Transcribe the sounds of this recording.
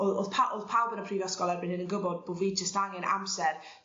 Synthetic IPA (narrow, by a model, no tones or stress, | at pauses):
oo̰ðpʰaʔoðpʰawˠbənəpʰriːvɔskɔlˠɛrbɪnhɪnənɡəbɔd̚b̥ʊviːd̚d͡ʒəstaŋɛna̰msɛr